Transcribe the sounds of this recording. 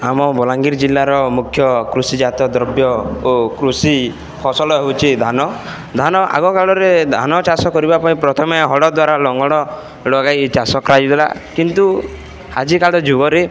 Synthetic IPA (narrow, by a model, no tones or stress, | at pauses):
amɔbɔlaŋɡiɾd͡ʒilːaɾɔmukʰjɔkɾusid͡ʒat̪ɔd̪ɾɔbjɔokɾusi | pʰɔsɔlɔɦewt͡ʃʰid̪ʱanɔ | d̪ʱanɔʔa̰ɡɔkaɭɔɾed̪ʱa̰nɔt͡ʃasɔkɔɾibapaĩpɾɔt̪ʰɔmeɦɔɽɔd̪waɾalɔŋɡɔɽ̃ɔ | lɔɡajt͡ʃasɔkɾad͡ʒid̪ela̰kint̪u | had͡ʒikaɭɔd͡ʒuɡɔɾe